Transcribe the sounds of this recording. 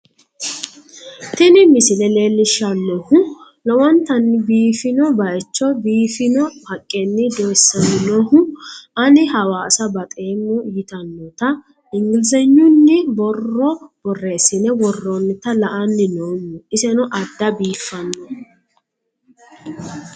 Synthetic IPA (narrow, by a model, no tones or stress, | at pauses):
t̪ɪnɪmɪsɪlɛle̞ːlːɪʃːɐnːɔhʊ | lɔwɔnt̪ɐnːɪbiːfɪnɔbɐʔɛt͡ʃːɔbiːfɪnɔhɐkʼːɛnːɪd̪oːsːɐnɪnɔhʊʔɐnɪɦɐwaːsɐbɐt̪ʼe̞ːmːɔjɪt̪ɐnːɔt̪ɐ | ɪŋɡɪlzɛɲːʊnːɪbɔrːɔb̥ɔrːeːsɪnɛwɔrːɔnːɪt̪ɐlɐʔɐnːɪnoːmːuɪsɛnɔʔɐd̪ːɐbiːfːɐnːɔ